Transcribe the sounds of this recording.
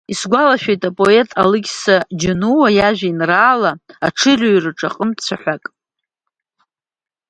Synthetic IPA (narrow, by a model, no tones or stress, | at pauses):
isɡʷalaʃᶣejtʼapʼo̞e̞tʼa̰lɨɡʲsad͡ʒɪnuwajaʒᶣainraːlaaʈ͡ʂʰɨrʲoɥrɨʈ͡ʂʼaqʼəmt͡sʷʰaħʷakʼ